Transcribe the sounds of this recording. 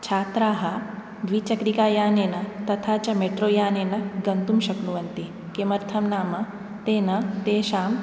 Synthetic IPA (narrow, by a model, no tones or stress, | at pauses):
t͡ʃʰaːt̪ɾaːɦɐ | ʋit͡ʃɐkɾikaːjaːneːnɐt̪ɐt̪ʰaːt͡ʃɐmeʈɾoːjaːneːnɐɡɐnt̪umʃɐknuʋɐnt̪i | kemɐɾt̪ʰɐmnaːmɐ | t̪eːnɐt̪eːʃaːm